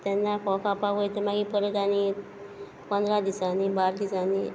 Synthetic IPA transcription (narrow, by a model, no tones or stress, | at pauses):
t̪ɛnːakɔkapaɡojt̪emaɡipəɾət̪ani | pə̃nd̪ɾad̪isanibaɾd̪isani